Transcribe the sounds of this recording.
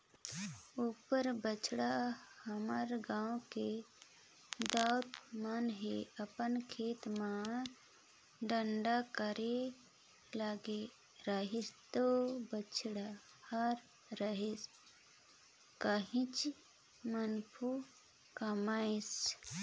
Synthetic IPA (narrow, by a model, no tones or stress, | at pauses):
upəɾbət͡ʃɽahəməɾɡãːõke | d̪aʊt̪manɦeəpənkʰeːt̪ma | ɖəɳɖakəɾe | laːɡe | ɾəɦist̪obət͡ʃʰɽa | haɾ | ɾəɦes | kəɦĩt͡ʃ | mənpʰu | kəmaːes